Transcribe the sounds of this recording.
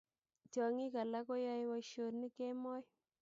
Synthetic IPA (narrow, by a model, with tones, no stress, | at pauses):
t͡ʃɔ˨ŋi˦ka˨la˦ko˦jɔ˦jwɔ˦ʃo˨ni˦ke˦mɔ˦j